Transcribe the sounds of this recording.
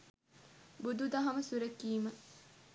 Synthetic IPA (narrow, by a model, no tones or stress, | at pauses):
bud̪ud̪ɐɦɐməsuɾekːiːmə